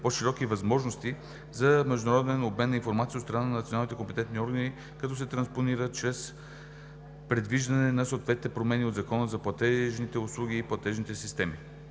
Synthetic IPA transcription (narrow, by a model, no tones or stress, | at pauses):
poʃiɾɔkivɐzmɔʒnost̪i | zɐmɛʒd̪ʊnɐɾɔd̪ɛnobmɛnːɐinfoɾmat̪siəot̪st̪ɾɐnanɐnɐt̪sʲionalˠnit̪ɛkompɛt̪ɛnt̪niɔɾɡəni | kɐt̪ɔsɛt̪ɾɐnsponiɾət̪t͡ʃɾɛs | pɾɛd̪viʒd̪ɐnɛnɐsoːt̪vɛt̪nit̪ɛpɾomɛniod̪zɐkɔnəzɐplˠɐt̪ɛʒnit̪ɛʊslˠuɡʲiːplˠɐt̪ɛʒnit̪ɛsist̪ɛmi